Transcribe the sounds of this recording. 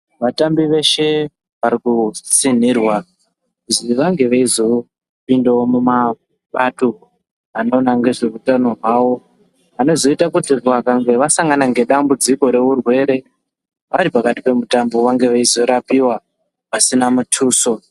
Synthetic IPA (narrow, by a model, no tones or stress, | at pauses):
ʋatambiʋe̞ʃe̞ | ʋaɾikut͡sin̤irwa | uziʋaŋɡe̞ʋaizo̞ | pindaomuma | ɓato̞ | ano̞naŋɡe̞ʐe̞utanoɦwawo̞ | ʋano̞zo̞itakutirʋakaŋɡe̞ʋasaŋɡanaŋɡe̞ɗambud͡ziko̞ɾe̞ʋurwe̞ːɾe̞ | ʋaɾipakati̥pe̞mutambo̞ʋaŋɡe̞ʋaizo̞ɾapiwa | ʋasinamutʰuːso̞